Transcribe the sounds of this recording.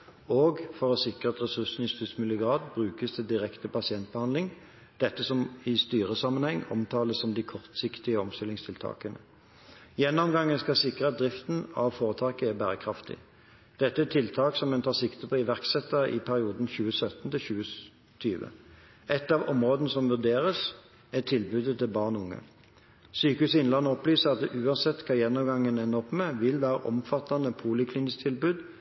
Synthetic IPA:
oːɡfɔʁɔsɪkʁəɑt̪ʁɛsʉsn̩ɪst̪ʏd̪smɪlɪəɡʁɑːd̪bʁʉːkəst̪ʰɛd̪ɪʁɛkt̪əpɑsɪɛnt̪̚b̥əhɑnd̪lɪŋ | d̪̥ɛt̪ːəsɔmɪst̪yːʁəsɑmːənhɛŋːɔ̰mt̪ʰɑːləsːɔmd̪ɪkʰɔʁt̪sɪkt̪ɪəɔmst̪ɪlːɪŋst̪ʰɪlt̪ʰɑ̰ːkənə | jɛnːɔmɡɑŋːənskɑsɪkʁəɑt̪̚d̪ʁɪft̪n̩ɑʋfoːʁət̪ʰɑːkəæʁbæːʁəkʰʁɑft̪ʰɪ̰ | d̪̥ɛt̪ːəæt̪ʰɪlt̪ʰɑːksɔmɛnt̪ʰɑːsɪkt̪əpʰɔɪʋæʁksɛt̪ːɑʔɪ̰pʰæʁɪuːd̪n̩çʉːəsœt̪n̩t̪ɪlçʉːə | t̪ʰyːʋə̰ | ʔɛt̪ːɑːʋɔmʁoːd̪ənəsɔmʋʉʁd̪eːʁəs | ɛt̪ʰɪlbʉd̪ət̪ʰɪlbɑːʁnʊŋːə̰ | syːkəʉsɪnlɑnːəɔplyːsəʁɑt̪̚d̪ɛʔʉːɑnsɛt̪ːkʰɑːjɛnːɔmɡɑŋːənɛnːəɔpmɛʋɪlʋæːɾə̰ʔɔ̰mfɑt̪ːɑnəpʰuːlɪkʰlɪnɪst̪ʰɪlbʉːd̪

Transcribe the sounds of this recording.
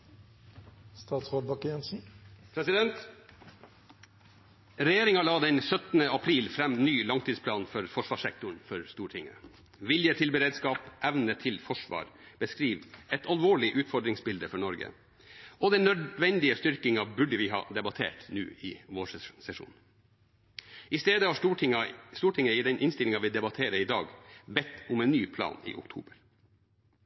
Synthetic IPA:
st̪ɑːt̪sʁoːd̪̚bɑkjɛnsn̩pʰɾɛsɪd̪ɛnt̪ | ɾɛjeːɾɪŋɑlɑːd̪ɛnsœt̪nəɑpʰɾiːlfɾɛmːnyːlɑŋt̪ʰiːspʰlɑːnfɔɾfɔʂʋɑːʂɛk̚t̪ʊɳfɔɾst̪uːɾəʈʰɪŋːə̰ | ʋɪljət̪ʰɪlbəɾeːd̪skɑːpʔæʋnət̪ʰɪlfɔʂʋɑ̰ːɾb̥əskɾiːʋɛt̪ʰɑlʋoːɭɪʔʉːt̪fɔɖɾɪŋsbɪld̪əfɔɳɔɾɡə̰ | ɔd̪ɛnœd̪ʋɛnd̪ɪəst̪ʏɾkɪŋɑbʉɖəʋɪɦɑ̰ːd̪ɛbɑt̪ʰḛːʈnʉ̰ːɪʋoːʂsɛʂṵːn | ʔɪst̪eːd̪əhɑɑst̪uːʈʰɪŋːəɪd̪ɛnʔɪnst̪ɪlɪŋɑʋɪd̪ɛbɑt̪ʰeːɾəɪd̪ɑːɡbɛt̪ːʊmɛːnːyːpʰlɑ̰ːnḭːʔʊ̰kt̪ʰṵːbəɾ

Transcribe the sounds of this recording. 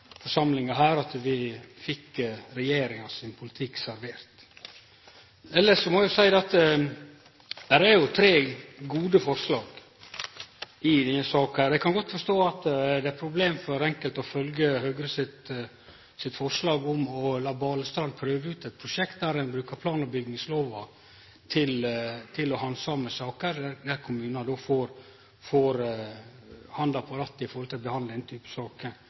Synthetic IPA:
fɔʂɑmlɪŋɑɦæːɾɑt̪ʋɪfɪkːɾɛjeːɾɪŋɑsɪnpʰʊlɪt̪ʰɪksæɾʋeːɾt̪ | ɛlːəʂɔmɔɛjʊsæɪd̪ɛɑt̪ | d̪̥æɾæɾjʊt̪ʰɾeːɡuːd̪əfɔɾslɑːɡ | ɪd̪ɛnːəsɑːkəhæːɾɛɪkʰɑnɡɔt̪ːfɔɾʂt̪oːɑt̪d̪ɛæɾpʰɾʊbleːmfɔɾɛŋkəlt̪ɔfœlɡəhœɡɾəsɪt̪ | sɪt̪fɔɾʂlɑːɡʊmɔlɑːbɑːləst̪ɾɑnd̪pʰɾøːʋəʉːt̪ɛt̪̚pʰɾʊʂɛkt̪̚d̪æɾɛnbɾʉːkəpʰlɑːnəɾbʏɡnɪŋsloːʋɑ | t̪ʰɪlt̪ʰɪlɔhɑnsɑməsɑːkəɾæd̪æɾkʰʊmʉːnɑd̪oːfoɾ | foɾ | hɑnd̪ɑpʰɔɾɑt̪ːɪfɔɾhɔlt̪ʰɪlɔbəhɑnd̪əd̪ɛnt̪ʰyːpə̥sɑːkə

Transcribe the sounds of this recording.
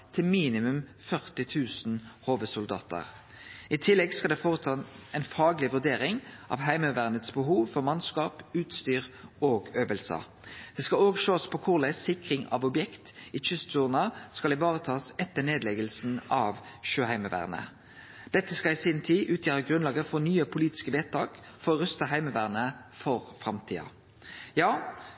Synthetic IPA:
t̪ʰɪlmiːnɪmʉmfœʁt̪ɪt̪ʰʉːsn̩hoːʋəsʊld̪ɑ̰ːt̪ə̰ʁ | ɪt̪ʰɪlːɛɡskɑld̪ɛfoːʁət̪ʰɑːɛnfɑːɡlɪʋʉɾd̪eːʁɪŋʔɑ̰ʋɦæɪməʋæʁnət̪sbəɦuːʋfɔʁmɑnskɑːpʉːt̪st̪yːʁoːɡøːʋəlsə̰ | d̪̥ɛːskɑoːɡʃoːspʰɔkʰʊʁlæsɪkʁɪŋɑ̰ʋɔbjɛkt̪ɪt͡ʃʏst̪suːnɑskɑlɪʋɑːʁət̪ʰɑːsɛt̪ːəneːd̪lɛɡəlsn̩ɑʋʃøːhæɪməʋæ̰ːʁnə̰ | d̪̥ɛt̪ːəskɑlɪsɪnt̪ʰiːʔʉːt̪ʰjæːɾəɡʁʉnlɑːɡəfɔnyːəpʰʊliːt̪ɪ̥skəʋeːt̪t̪ʰɑːk | fɔʁɔʁʉst̪əɦæɪməʋæːʁnəfɔʁfʁɑmt̪ʰḭːɑ̰ | jɑː

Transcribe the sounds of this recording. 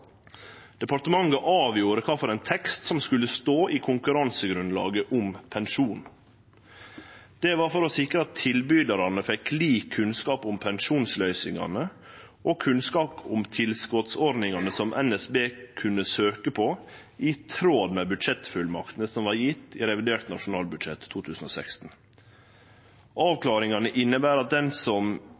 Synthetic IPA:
d̪̥ɛpɑɾt̪əmɑŋːəʔɑːʋjuːɾəkʰɑːfɔɾɛnt̪ʰɛkst̪sɔmskʉlːəst̪oːʔiːkʰʊŋkʉɾɑnsəɡɾʉnlɑ̰ːɡəʔʊmpʰɛnʃuːn | d̪̥ɛʋɑːɾfɔɾɔsɪkɾəɑt̪ʰːɪlbyːd̪ɑɾɑnəfɛkliːkʰːʉnskɑːpʊmpʰɛnʃuːnslœʏsɪŋɑ̰nə | ʔɔkʰʉnskɑːpʊmt̪ʰɪlskɔt̪sɔɾd̪nɪŋɑnəsɔmʔɛnɛsbeːkʰʉnːəsøːkəpʰɔ | ɪt̪ʰɾoːd̪mɛbʉd̪ʂɛt̪fʉlmɑ̰kt̪nəsɔmʋɑɾjɪt̪ːɪɾɛʋɪd̪eːɾt̪nɑʂʊnɑːlbʉd̪ʂɛt̪ʰːuːt̪ʰʉːsn̩oːsɛkst̪n̩ | ʔɑːʋklɑːɾɪŋɑnəʔɪnːəbæːɾɑt̪̚d̪ɛnsɔm

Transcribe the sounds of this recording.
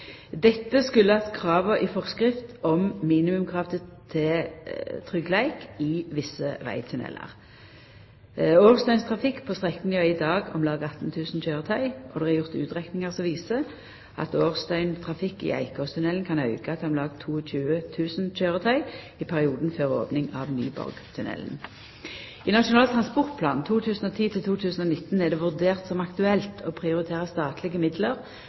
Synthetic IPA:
d̪ɛt̪ːəskʉlːəɑt̪kʰʁɑːʋəʔɪfɔʁskʁɪft̪ɔmmiːnɪmʉmkʰʁɑft̪ət̪ʰɪ | t̪ʰʁʏɡlæɪkɪʋɪsəʋæ̰ɪt̪ʰʉnɛ̰lə̰ʁ | oːʁst̪œʏnst̪ʰʁɑfɪkːpʰoːst̪ʁɛkːnjøɪd̪ɑːɡɔmlɑːɡɑt̪ːn̩t̪ʰʉːsn̩çøːʁət̪ʰœʏʔɔd̪ɛɑʁjʊʁt̪ʉ̰ːt̪ʁɛknɪŋəʁsɔʋiːsə | ʔɑ̰t̪oːʁst̪œʏnt̪ʰʁɑfɪkːḭːæ̰ɪkɔst̪ʰʉnɛlnkʰɑnɑʉɡəɑt̪d̪ɛɔmlɑːɡ̚t̪ʰuːɔçʉːət̪ʰʉːsn̩c͡çøːʁət̪ʰœʏ | ipʰæʁɪuːd̪n̩føːʁo̰ːpnɪŋɑ̰ːʋny̰ːbɔ̰ʁɡt̪ʰʉnɛ̰ln | iːnɑʃʊnɑːlt̪ʰʁɑnspɔʁt̪̚pʰlɑːnt̪ʰuːt̪ʰʉːsn̩oːt̪ʰiːt̪ʰɪlt̪ʰuːt̪ʰʉːsn̩oːnɪt̪n̩ɛʁd̪ɛʋʉʁd̪eːʁt̪sɔmɑkt̪ʉɛlt̪ʰoːpʰʁɪʊʁɪt̪ʰeːʁəst̪ɑːt̪lɪɡəmɪd̪ləʁ

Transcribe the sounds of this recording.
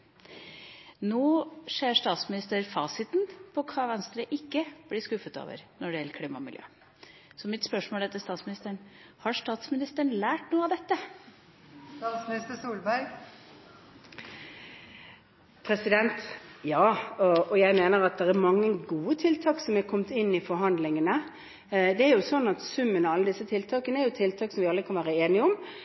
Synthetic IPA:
noːʂeːɾʂt̪ɑːt̪smɪnɪst̪əɾfɑːsɪt̪npʰɔkʰɑːʋɛnst̪ɾəʔɪkːəb̥lɪskʉfət̪o̰ːʋə̰ɾnɔɖɛjɛləɾkʰliːmɑ̰mɪ̰ljø̰ː | sɔmɪt̪spœʂmoːlɛːt̪əst̪ɑːt̪smɪnɪst̪əɳhɑɾʂt̪ɑːt̪smɪnɪst̪əɳ̩læːʈnuːəɑd̪ɛt̪ːə | st̪ɑːt̪smɪnɪst̪əsuːlbæɾɡ | pʰɾɛsɪd̪ɛnt̪jɑːɔɔjæɪmeːnəɾɑt̪̚d̪ɛʁæɾmɑŋːəɡuːət̪ʰɪlt̪ʰɑːksɔmækʰɔmt̪ɪnːɪfɔɾɦɑnd̪lɪŋənə | d̪ɛæɾjʊsɔnːɑt̪sʉmːənɔɑlːəd̪ɪsːət̪ʰɪlt̪ʰɑːkənəɛɾjʊt̪ʰɪlt̪ʰɑːksɔmʋɪɑlɾəkʰɑnʋæːɾəeːnɪəɔm

